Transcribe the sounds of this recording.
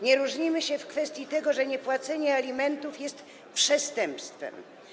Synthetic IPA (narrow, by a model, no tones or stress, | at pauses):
ɲɛɾuʐɲimɘɕɛfkfɛst̪ʲjit̪ɛɡɔʐɛɲɛpwat̪sɛɲɛalʲimɛnt̪ufjɛst̪ | pʂɛst̪ɛmpst̪fɛ̰m